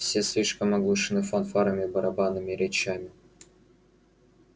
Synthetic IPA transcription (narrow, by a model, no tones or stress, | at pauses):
fsʲeslʲiʂkəmɐɡlˠuʂɨnɨfɐnfaɾəmʲɪbəɾɐbanɨmʲɪɾʲɪt͡ɕamʲɪ